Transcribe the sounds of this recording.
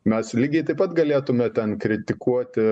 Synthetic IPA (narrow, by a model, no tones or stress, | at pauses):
mʲɛslʲiːɡʲɛɪt̪ɐɪpɐt̪ɡɐlʲeːt̪ʊmʲɛt̪ʲɛnkɾʲɪt̪ʲɪkʰuɔt̪ʲɪ